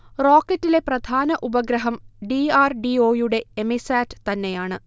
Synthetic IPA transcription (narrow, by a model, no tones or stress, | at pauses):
ro̞ːkːɐtːile̞prɐd̪ʱaːnɐʔubɐɡɾɐɦɐmɖiaːrɖio̞ːjuɽe̞emisaːtːɨ̥t̪ɐnːe̞jaːɳɨ